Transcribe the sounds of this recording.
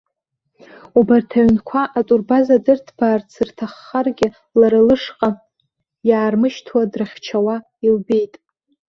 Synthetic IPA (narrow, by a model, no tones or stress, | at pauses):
ubartʰaɥnkʷʰaʔat͡sʼurbazadɨrtʰb̥aːrt͡sʰɨrtʰaχːarɡʲɪ | laɾɨlɨʂqʼa | jaːrmɨʃtʰwadrɨχʲt͡ʃʰawa | ilbe̞jtʼ